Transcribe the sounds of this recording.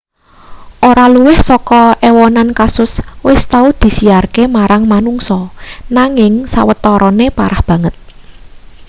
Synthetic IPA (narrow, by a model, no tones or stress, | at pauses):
ʔoɾaluwɪhsɔkɔʔɛwɔnankasʊswɪst̪aud̪̥i̤siarkemaɾaŋmanuŋsɔnaŋɪŋsa̰wət̪ɔɾɔnepaɾahb̥ä̤ŋət̪̚